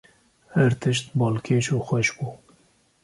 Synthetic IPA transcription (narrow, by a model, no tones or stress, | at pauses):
hæɾt̪ʰɨʃt̪bɑːlkʰeːʃuːxwɛʃbuː